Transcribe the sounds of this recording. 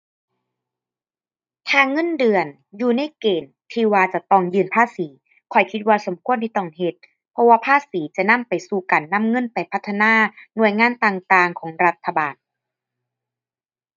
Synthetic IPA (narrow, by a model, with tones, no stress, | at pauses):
t̪ʰaː˧ŋɤ˧˥˨ndɯ˨˧˩ən | juː˧na˧˥˩jkeː˨˩n | t̪ʰiː˧waː˧t͡ɕa˨˩t̪ɔː˧˩ŋjɯː˧npʰaː˥˩siː˩˦ | kʰɔ˧˩jkʰi˧˥t̪̚waː˧so˩˦mkʰu˧˨ənt̪i˧˩t̪ɔː˧˩ŋhe˧˩t̪̚ | pʰɔ˧˥waː˧pʰaː˥˩siː˩˦t͡ɕa˨˩na˧˥˨mpa˨˩jsuː˨˩ka˨˩nːa˧˥˨mŋɤ˧˥˨npa˨jpʰa˦˧t̪ʰːa˧naː˧˥˩nu˧˩əjŋaː˧˥˨nt̪aː˧˩ŋt̪aː˧ŋkʰɔː˩˦ŋɾa˧˥t̪ʰːa˧baː˨˩n